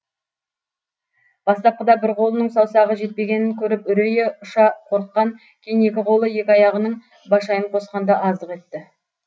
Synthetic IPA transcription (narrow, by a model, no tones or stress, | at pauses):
b̥ɑst̪ɑp̚qəd̪ɑbɪɾqʰo̞lˠənəɴsɑwsɑʁəʒe̞t̪̚pe̞ɡʲe̞nɪŋkʲʰɵɾɪpʏɾejeʊʃɑqʰo̞ɾət̪̚qɑŋ | kʲʰejne̞kʲɪqʰo̞lˠəje̞kʲɑjɑʁənəɴ | bɑʃɑjəɴqʰo̞sqɑnd̪ɑʔɑzd̪əqe̞t̪ːɪ